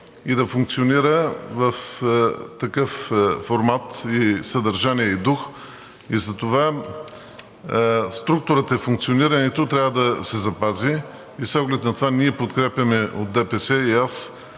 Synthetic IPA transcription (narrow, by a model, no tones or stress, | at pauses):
id̪ɐfuŋk̚t̪sioniɾəvɐf | t̪ɐkɤfːoɾmat̪isɐd̪ɐɾʒaniɛid̪ux | izɐt̪ova | st̪ɾuk̚t̪ʊɾət̪ɛfuŋk̚t̪sioniɾənɛt̪ot̪ɾʲavəd̪ɐsɛzɐpazi | isɔɡlɛt̪nɐt̪ovaniɛpot̪kɾɛpjɐmɛʔod̪̚d̪ɛpɛsɛias